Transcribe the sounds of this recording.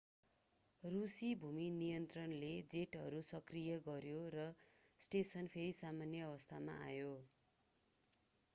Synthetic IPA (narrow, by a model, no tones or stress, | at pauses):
rusibʱuminijʌnt̪rʌnled͡zeʈɦʌɾusʌkrijʌɡʌɾjorʌsʈesʌnpʰeɾisamanjʌːβʌst̪ʰama̰ʔa̰jo